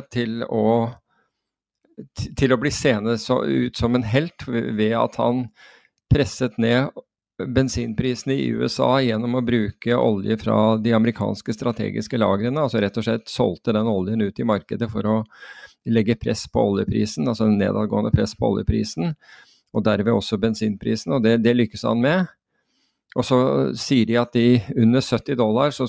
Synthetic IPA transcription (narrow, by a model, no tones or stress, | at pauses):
t̪ʰɪlɔ | t̪ʰɪlɔbliːseːnəsɔ̰ʉ̰ːt̪sɔmɛnɦɛlt̪ʋɛɑ̰t̪hɑ̰n | pʰɾɛsːət̪neː | bɛnsiːnpʰɾiːsn̩ɪʉ̰ːɛsɑ̰ːjɛnːɔmɔbɾʉːkəʔɔ̰ljəfɾɑ̰d̪ɪɑməɾɪkʰɑ̰ːnskəst̪ɾɑt̪ʰḛːɡɪ̰skəlɑ̰ːɡəɾənəɑlsɔɾɛt̪ːɔʂɭɛt̪ːsɔ̰lt̪əd̪ɛnːɔljənʉːt̪ɪmɑɾkəd̪əfɔɾɔ | lɛɡːəpʰɾɛspʰɔ̰ɔljəpʰɾḭːsn̩ɑlsɔɛnːḛːd̪ɑːd̪ɡo̰ːənəpʰɾɛspʰɔɔ̰ljəpʰɾḭːsn̩ | ɔd̪æɾmɛɔsːɔbɛnsiːnpʰɾiːsn̩ɔd̪ɛd̪ɛlʏkːəshɑ̰nmɛ | ʔɔsɔsiːəɖɪɑt̪̚d̪ɪʉnːəsœt̪ːɪd̪ɔlːɑɾʂɔ